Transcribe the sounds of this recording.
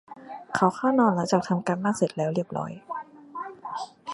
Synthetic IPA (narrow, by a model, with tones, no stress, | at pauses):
kʰa˨˥˦wxʰaː˥˩wnɔː˧nla˧˨˦t͡ɕaː˨˩k̚t̪ʰa˧mkaː˧nmaː˥˩k̚se˨˩t̪̚lɛː˦˥wɾi˥˩əp̚ɾɔ̰ː˦˥j